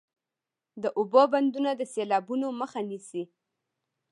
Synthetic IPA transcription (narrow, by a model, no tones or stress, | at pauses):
d̪əʔʊboband̪unad̪əselɑbunoməxanisi